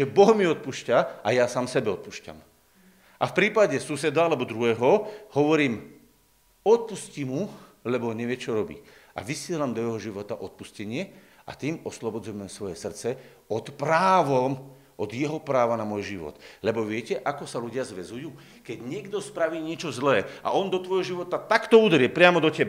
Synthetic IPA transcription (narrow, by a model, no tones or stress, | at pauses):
ʒɛbɔɦmiɔt̪̚puʃcaʔajasaːmsɛbɛɔt̪̚puʃca̰m | ʔafpɾiːpaɟɛsusɛd̪aalɛbɔd̪ɾuɦɛːɦɔhɔʋɔɾiːm | ɔt̪̚puscimu | lɛbɔɲɛʋɪɛt͡ʃɔɾɔbḭː | a̰ʋisɪɛlamd̪ɔjɛɦɔʒiʋɔt̪aʔɔt̪̚puscɛɲɪɛ | ʔa̰t̪iːmɔslɔbɔd͡zujmɛmsʋɔjɛsr̩t͡sɛ | ɔt̪pɾaːʋɔm | ʔɔd̪jɛɦɔpɾaːʋanamɔjʒiʋɔ̰t̪lɛbɔʋɪɛcɛʔakɔsaluɟɪazʋɛzujuː | kɛɟɲɪɛɡd̪ɔspɾaʋiːɲɪɛt͡ʃɔzlɛːa̰ʔɔnd̪ɔt̪ʋɔjɦɔʒiʋɔt̪at̪akt̪ɔud̪ɾɪɛpɾɪamɔd̪ɔcɛba